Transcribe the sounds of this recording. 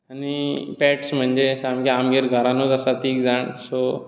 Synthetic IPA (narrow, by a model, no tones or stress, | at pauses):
anipɛʈsm̤əɳd͡ʑesamɡeamɡiɾɡʱəɾãnut̪asat̪iːkd͡zaɳso